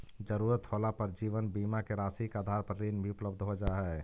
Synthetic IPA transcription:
d͡ʒəɾuːɾət̪ɦoːlapəɾd͡ʒiːʋənbiːmakeɾaːsikaːd̪ʱaːɾpɾəɾiːnbʱiʊpləbd̪ʱɦod͡ʒaːɦɛ

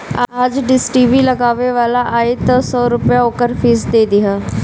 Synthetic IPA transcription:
aːd͡ʒɖɪsʈibiləɡaːʋeʋaːlaʔaːɪt̪əsɔːɾʊpjaoːkəɾfʰiːsd̪eːd̪ɪɦaː

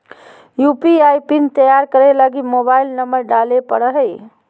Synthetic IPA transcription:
jupiajpint̪əjaɾkəɾelaɡimobailnəmbəɾɖalepə̰ɽəɦə

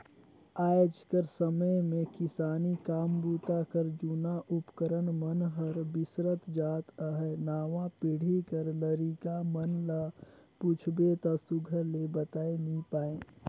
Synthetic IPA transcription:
aːjd͡ʒkəɾsəməjmẽkɪsaːnikaːmbuːt̪akəɾd͡ʒunaʔʊpkəɾəɳmənɦəɾbɪsɾət̪d͡ʒaːt̪əɦənaːʋãpɪɽ̤ikəɾləɾiːkamənləput͡ʃʰbet̪ɔsʊɡʱəlebət̪aːenəĩpaːẽː

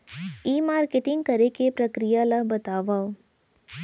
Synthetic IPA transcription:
iːmaːɾkeʈɪ̃ŋɡkɐɾekepɾɐkɾijaləɦbɐt̪aːʋaː

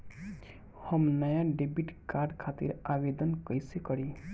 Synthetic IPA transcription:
həmnəjãɖebiʈkaɾɖkʰat̪ḭɾabed̪ənkəjsekəɾi

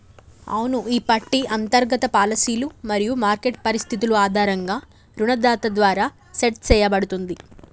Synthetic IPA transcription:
ɐ̰unuiːpɐʈːiɐnt̪ɐɾɡɐt̪ɐpaːlɐsiːlumɐɾijumaːɾkeʈ̚pɐɾist̪ʰit̪̬uluaːd̪ʱaːɾɐŋɡaː | ɾuɳɐd̪aːt̪ɐd̪ʋaːɾaː | seʈ̚t͡ʃɛːjɐbɐɽut̪und̪i

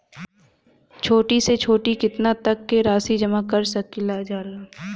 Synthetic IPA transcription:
t͡ʃʰoːʈiset͡ʃʰoːʈikɪt̪nat̪ɐkːeɾaːsid͡ʒɐmakɐɾsɐkilaːd͡ʒaːlaː

